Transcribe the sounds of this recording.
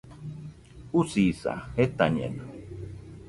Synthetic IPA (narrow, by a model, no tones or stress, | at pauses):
usisa̰het̪aɲḛna